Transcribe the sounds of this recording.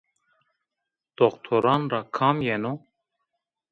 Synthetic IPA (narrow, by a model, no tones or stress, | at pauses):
d̪̥okt̪ʰoɾɑːnrakʰɑːmjɛno